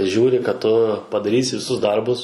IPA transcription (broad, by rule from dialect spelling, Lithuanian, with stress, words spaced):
ˈʒʲuːrʲɪ kɐt ˈtʊ pɐdɐˈrʲiːsʲɪ ʋʲɪˈsʊs ˈdɐrbʊs